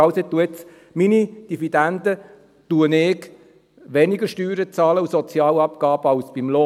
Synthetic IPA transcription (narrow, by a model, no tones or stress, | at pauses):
ɑʊset̪ːuət͡s | minid̥ivid̥ænd̥̪ə | tuənɪk | ʋɛniɡəʃtyːɾət͡sɑːləusɔt͡sjɑːlɑpkɑːb̥əɑʊsb̥imloː